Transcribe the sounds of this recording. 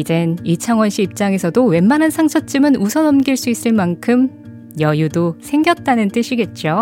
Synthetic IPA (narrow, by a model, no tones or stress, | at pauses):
id͡ʑe̞nit͡ɕʰaŋwʌnɕ͈iːp̚t͡ɕ͈aŋe̞sʰʌdowe̞mmanansʰaŋt͡ɕʰʌt͡ɕ͈ɯmɯnusʰʌnʌmɡiɭs͈uis͈ɯɭmankʰɯm | jʌjudosʰe̞ŋɡjʌt̚t͈anɯnt͈ɯɕʰiɡe̞t̚t͡ɕ͈o